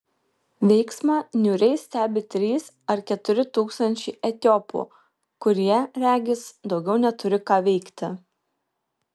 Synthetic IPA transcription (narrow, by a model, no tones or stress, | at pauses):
ʋʲɛɪksmɑːnʲuːɾʲɛɪsʲt̪ʲæːbʲɪt̪ʲɾʲiːs | ɐɾkʲɛt̪ʊɾʲɪt̪uːkst̪ɐnʲt͡ʃʲɛɪʔɛt̪ʲɔːpṵː | kʊɾʲiɛɾʲæːɡʲɪsd̪ɒʊɡʲɛʊnʲɛt̪ʊɾʲɪkɑːʋʲɛɪkt̪ʲɪ